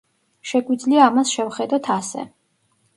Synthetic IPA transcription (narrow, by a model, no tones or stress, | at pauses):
ʃɛɡwid̪zliaːmasʃɛvχɛd̪ɔt̪ʰasɛ̰